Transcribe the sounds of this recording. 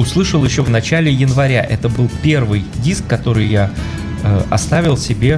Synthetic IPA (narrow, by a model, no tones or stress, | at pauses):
ʊslˠɨʂəlˠjɪɕːovnɐt͡ɕælʲɪjɪnvɐɾʲaʔɛt̪əbɨlˠpʲe̞rvɨjdʲiskːɐt̪o̞ɾɨjja | əɐ̰st̪avʲɪlˠsʲɪbʲe̞